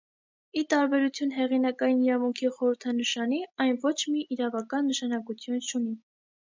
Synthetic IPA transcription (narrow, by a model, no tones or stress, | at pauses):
it̪ɑɾbɛɾut͡sʰjunɦɛʁinɑkɑjiniɾɑvuŋkʰiχɔɾəɾt̪ʰɑnəʃɑniɑjnvɔt͡ʃʰmiʔiɾɑvɑkɑnːəʃɑnɑkut͡s̪ʰjunt͡ʃʰuni